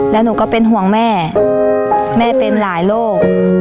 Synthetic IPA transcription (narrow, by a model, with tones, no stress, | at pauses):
lɛː˦˥wnuː˩˦kɔː˥˩pe˧nɦu˩˦əŋmɛː˥˩ | mɛː˥˩pe˧nlaː˩˦jloː˥˩k̚